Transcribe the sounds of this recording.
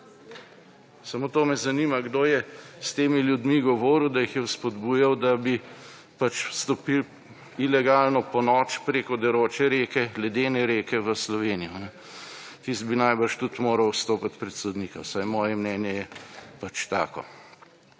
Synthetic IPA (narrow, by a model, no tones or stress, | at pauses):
samot̪oːmɛzɐniːmaɡd̪oːjɛst̪eːmiljud̪miɡɔʋoːɾuwd̪ajixjɛwspɔd̪buːjawd̪abi | pat͡ʃst̪ɔpil | ilɛɡaːlnɔpɔnɔːt͡ʃpɾeːkɔd̪ɛɾoːt͡ʃɛɾeːkɛɡlɛd̪eːnɛɾeːkɛʋəslɔʋeːnijɔnɛ | t̪ist̪̚binajbəɾʃt̪ut̪moːɾɐwst̪oːpat̪pɾɛt̪sod̪niːkawsajmɔːjɛmnɛːnjɛjɛpat͡ʃt̪a̰ːkɔ̰